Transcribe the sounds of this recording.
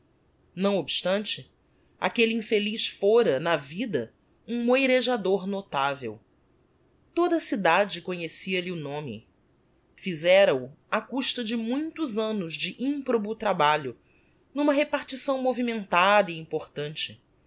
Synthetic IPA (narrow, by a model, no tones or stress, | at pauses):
nɐ̃w̃obʃt̪ɐ̃nt͡ʃɪ | a̰keliĩfeliʃfoɾɐnɐvid̪ɐ | ũmojɾeʒad̪oɾnot̪avḛw | t̪od̪ɐsid̪ad͡ʒɪkoɲesiɐliʊnõmɪ̰ | fizɛɾɐu | akuʃt̪ɐd͡ʒɪmũj̃t̪ʊzɐ̃nʊzd͡ʒɪʔĩpɾobut̪ɾabaʎʊ | nũmɐɦepaɾt͡ʃisɐ̃w̃movimẽnt̪ad̪ɐiĩpoχt̪ɐ̃nt͡ʃɪ